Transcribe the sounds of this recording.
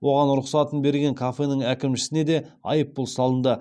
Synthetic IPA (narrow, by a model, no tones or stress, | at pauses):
wʔo̞ʁɑnɾʊqsɑt̪ənbe̞ɾɡʲe̞ŋkʰafe̞nəŋækʲɪmʃɪ̥sɪne̞d̪e̞ɑ̰jəp̚ːʊlˠsɑlˠənd̪ə